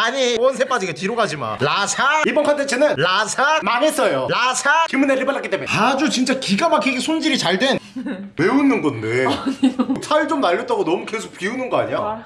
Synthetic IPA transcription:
aɲiwʌnsʰep͈ad͡ʑiɡetiɾoɡad͡ʑima̰ɭasʰaibʌnkʰantʰet͡ɕʰenɯnlasʰamaŋe̞s͈ʌjolasʰakimɯneɾɯɭpaɭːak͈it͈emead͡ʑut͡ɕint͡ɕ͈akiɡamak͈ʰiɡesʰond͡ʑiɾit͡ɕaɭdwe̞nme̞unːɯnɡʌnde̞ | sʰait͡ɕomnaʎːʌt͈̚aɡonʌmukesʰo̥k̚p͈iunɯnɡʌaɲia

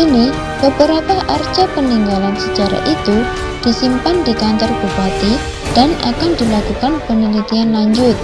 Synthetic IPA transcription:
ini | b̥əbəɾapahʔard͡ʒapəniŋɡalansə̥d͡ʒ̥aɾa̰ʔit̪u | d̪̥isimpand̪̥ikant̪ərb̥upat̪i | d̪̥ana̰kand̪̥ilakukanpənilit̪ianlaɲd͡ʒʊt̪̚

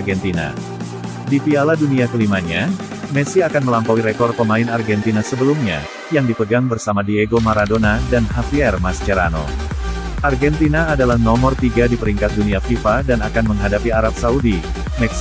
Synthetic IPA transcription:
ɡɛnt̪ina̰ | difialaduniakəlimaɲa | mɛsiakanməlampawiɾekɔr̚pəmaɪnarɡɛnt̪inasəbəlumɲa̰ | jaŋdipəɡaŋbərsamadieɡomaɾadonadanɦafiɛrmast͡ʃəɾano̰ | ʔarɡɛnt̪inaːdalahnɔmɔrt̪iɡadipəɾiŋkat̪̚duniafifadanakanməŋɦadapiaɾap̚saudi | mɛks

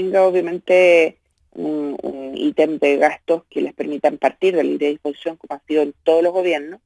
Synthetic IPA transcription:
t̪eŋɡaoβjamẽ̞nt̪e | ṵnṵnḭt̪end̪eɣast̪oskelespe̞ɾmit̪ampaɾt̪iɾðelaiɾeðihpo̞si̥sjo̞ŋkomoasiðoent̪o̞ð̞olo̞zɣo̞βjeɾnos

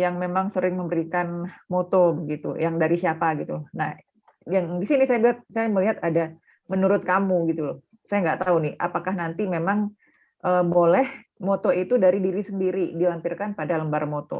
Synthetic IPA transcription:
jaŋmemaŋsəɾɪŋməmbəɾikanmot̪obəɡit̪ṵjaŋdaɾisiapaɡit̪unah | jaŋdisinɪsajabiat̪̚sajaməliɦat̪ada | mənuɾʊt̪̚kamuɡit̪u | sajaŋɡaʔt̪aunɪhʔa̰pakahnant̪imemaŋ | ʔəːbolɛh | mot̪oit̪udaɾidiɾisəndiɾidilampɪrkanpadaləmbarmot̪ɔ̰

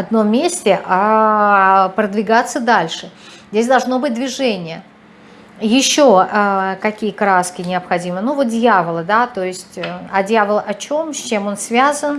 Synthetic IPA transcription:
ɐd̪no̞mʲːesʲtʲɪʔa | pɾəd̪vʲɪɡat̪sːəd̪alʲʂɨzʲdʲesʲd̪ɐlˠʐno̞bɨt̚ʲd̪vʲɪʐɛnʲɪjə | jɪɕːoəkɐkʲijəkɾaskʲɪnʲɪɐpxɐdʲimənuvo̞t̪̚dʲjavəlˠəd̪at̪o̞ɪsʲtʲɐdʲjavəlˠəʔɐt͡ɕo̞msʲt͡ɕemo̞nsvʲazən

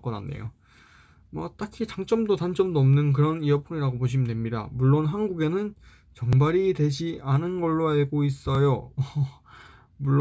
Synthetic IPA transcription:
k͈ʌna̰nːḛjo̰ | mʌ̰t͈akʰit͡ɕaŋt͡ɕ͈ʌmdotant͡ɕ͈ʌmdʌmnɯnk̬ɯɾʌnijʌpʰuɲiɾaɡopoɕ̬ʰimnde̞mɲida̰muɭːonɦanɡuɡe̞nɯn | t͡ɕʌŋbaɾitwe̞d͡ʑiʔanɯnɡʌɭːoaɭɡois͈ʌjo | muɭː

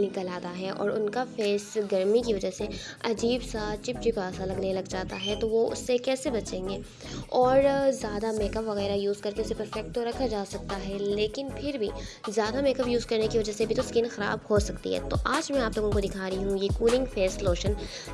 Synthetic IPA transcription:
nɪkəlaːt̪aɦɛʔɔ̰ːɾʊnkafeːsɡɐɾmikiʋɐd͡ʒəse | ɐd͡ʒiːbsat͡ʃɪp̚t͡ʃɪpaːsalɐɡnelɐɡd͡ʒaːt̪aɦɛt̪oʋoʊ̰sːekɛːsebɐt͡ʃẽːŋɡeː | ɔːɾzjaːd̪ameːkəpʋɐɣɛːɾajuːzkɐɾkeʊsepɐɾfɛk̚ʈ̚t̪oɾɐkʰad͡ʒaːsɐk̚t̪aɦɛleːkɪnpʰɪɾbʱizjaːd̪ameːkəpjuːzkɐɾnekiʋɐd͡ʒəɦsebʱit̪oskɪnxɐɾa̰ːbhosɐkt̪ḭɦɛ̰ːt̪o̰ʔaːd͡ʒmɛ̃aːploːɡõkod̪ɪkʰaːɾɐɦiɦũjekuːlɪ̃ŋɡfeːsloːʃən

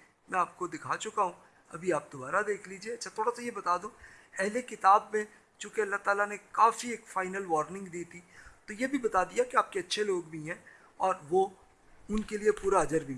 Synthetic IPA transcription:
mɛ̃aːp̚kod̪ɪkʰat͡ʃʊkaɦũ | ɐ̰bʱiaːp̚d̪obaːɾad̪eːkʰliːd͡ʒieɐtːʃʰat̪ʰoːɽasajebɐt̪aːd̪ũːɛɦlekɪt̪aːbmẽ | t͡ʃõːkeɐlːaɦt̪aːlanekaːfieːkfaːɪnəlʋɔːɾnɪ̃ŋɡd̪iːt̪ʰit̪ojebʱibɐt̪aːd̪ijakeaːp̚keɐtːʃʰeloːɡbʱiɦɛ̃ː | ɔːɾʋo | ʊnkeliepuːɾaɐd͡ʒəɾbʱi

